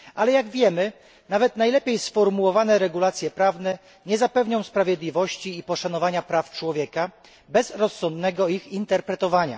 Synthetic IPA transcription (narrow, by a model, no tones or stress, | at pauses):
ʔalɛjaɡvʲjɛmɘ | navɛt̪najlɛpʲejsfɔɾmuwɔvanɛɾɛɡulat̪sʲjɛpɾavnɛ | ɲɛzapɛvɲɔ̃w̃spɾavʲjɛd̪lʲivɔɕt͡ɕiːpɔʂanɔvaɲapɾaft͡ʂwɔvʲjɛka | bɛzɾɔsːɔnd̪nɛɡɔixint̪ɛɾpɾɛt̪ɔvaɲa̰